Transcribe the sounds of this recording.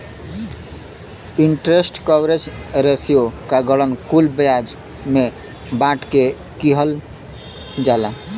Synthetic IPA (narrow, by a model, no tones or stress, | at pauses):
iɳʈɾesʈkɔwɾed͡ʒɾesijokaɡəɽənkulbəjad͡ʒ | me | bãʈke | kiɦəl | d͡ʒala